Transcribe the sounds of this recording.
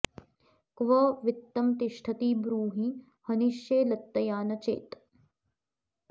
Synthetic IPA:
kʋɐʋit̪ːɐmt̪iʃʈʰɐt̪iːbɾuːɦi | hɐniʃjeːlɐt̪ːɐjaːnɐt͡ʃḛːt̪

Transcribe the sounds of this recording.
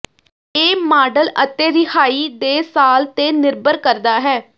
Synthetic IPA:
eːmaːɖələt̪eːɾɪhaːiːd̪eːsaːlt̪eːnɪɾbəɾkəɾd̪aːɦɛː

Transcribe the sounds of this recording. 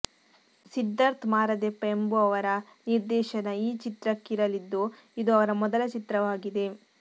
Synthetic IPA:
sid̪ːɐɾt̪maːɾɐd̪epːɐembuɐʋɐɾɐ | niɾd̪ɛːʃɐnɐiːt͡ʃit̪ɾɐkːiɾɐlid̪ːu | id̪uɐʋɐɾɐmɔd̪ɐlɐt͡ʃit̪ɾɐʋaːɡid̪e̞

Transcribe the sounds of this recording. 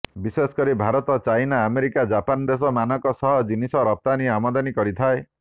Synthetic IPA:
biswesɔ̥kɔɾibʱaɾɔt̪ɔt͡ʃajnaːmeɾikad͡ʒapand̪es̬ɔmanɔkɔsɔɦɔd͡ʒinisɔɾɔp̚t̪aniamɔd̪anikɔɾit̪ʰae

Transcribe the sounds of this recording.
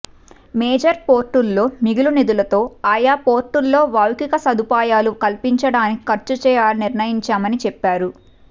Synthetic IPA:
meːd͡ʒɐɾpo̞ːɾʈːulːo̞ːmiɡulunid̪ulɐt̪o̞ːaːjaːpoːɾʈːulːo̞ːʋaːwkikɐsɐd̪ʱupaːjaːlukɐlpiɲt͡ʃɐɽaːniki̥kɐɾt͡ʃut͡ʃɛːjaːlniɾnɐjiɲt͡ʃaːmɐnit͡ʃɛpːaːɾu

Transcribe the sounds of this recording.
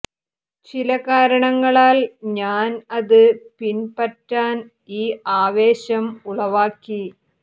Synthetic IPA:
t͡ɕilɐkaːɾɐɳɐŋːɐɭaːlɲaːnɐðɨpinpɐtːaːn | iːaːʋe̞ːɕɐmuɭɐʋaːkːi

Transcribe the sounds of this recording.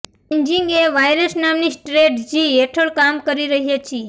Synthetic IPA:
iɲd͡ʒiŋɡeʋajɾəsnamnisʈɾeʈd͡ʒieʈʰəɭkamkəɾiɾəɦjat͡ʃʰi

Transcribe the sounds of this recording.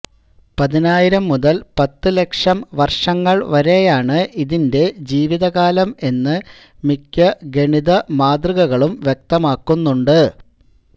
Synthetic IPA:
pɐðinaːjiɾɐmːuðɐlpɐt̪ːɨle̞kʂɐmʋɐrʂɐŋːɐɭʋɐɾe̞jaːɳɨʔiðinde̞d͡ʑiːʋiðɐɣaːlɐme̞nːɨ | mikʲːɐɡe̞ɳiðɐmaːd̪riɣɐɣɐɭumʋjek̚t̪ɐmaːkːunːuɳɖɨ

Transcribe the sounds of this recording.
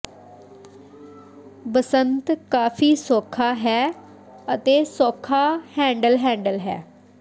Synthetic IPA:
bəsənt̪kaːfiːsoːkʰaːɦɛː | ət̪eːsoːkʰːaːhɛ̃ːɳɖəlɦɛ̃ːɳɖəlɦɛ̰ː

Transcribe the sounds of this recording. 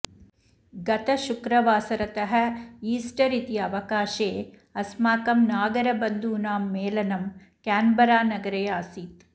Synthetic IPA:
ɡɐt̪ɐʃukɾɐʋaːsɐɾɐt̪ɐɦɐ̆iːsʈɐɾit̪iɐʋɐkaːʃeː | ɐsmaːkɐmnaːɡɐɾɐbɐnd̪uːnaːmːeːlɐnɐm | kaːnbɐɾaːnɐɡɐɾɐjaːsiːt̪

